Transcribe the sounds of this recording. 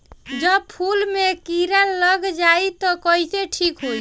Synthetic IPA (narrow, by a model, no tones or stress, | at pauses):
d͡ʒəb̚pʰulmekiɾalːəɡd͡ʒait̪ɔkəɦiseʈʰikɦoi